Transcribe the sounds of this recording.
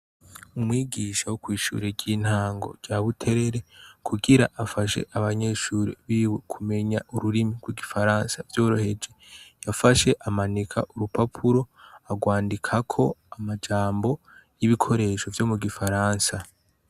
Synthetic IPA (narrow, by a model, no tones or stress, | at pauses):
umwiːɡiːʃawokwiːʃṵɾeɾɟiːn̥haːŋɡo̞̰ɾɟaβutʰe̞ɾe̞ɾe̞kʰuɡiɾaʔafaʃe̞̰ʔaβaɲe̞ːʃuːɾḭβiwekʰume̞ɲaʔuɾuɾimiɡwiɡifaɾaːnsavjo̞ːɾo̞he̞d͡ʒe̞jafaʃe̞ʔamanikʰa̰ʔuɾupapʰuɾo̞aɡwaːndikʰakʰo̞amad͡ʒaːmbo̞ | jiβikʰo̞ɾe̞ʃo̞vjo̞muɡifaɾaːnsa